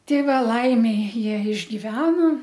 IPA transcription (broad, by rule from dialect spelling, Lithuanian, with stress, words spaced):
ˈtʲɛɪ ˈʋɐ ˈlˠɐɪmʲɛɪ ˈjiɛ ɪʒʲɡʲɪˈʋʲæːnoː